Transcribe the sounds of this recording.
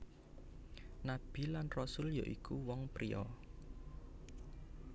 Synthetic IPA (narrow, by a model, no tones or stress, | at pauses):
nab̥i̤lanrɔsʊljɔʔikuwɔŋpɾiɔ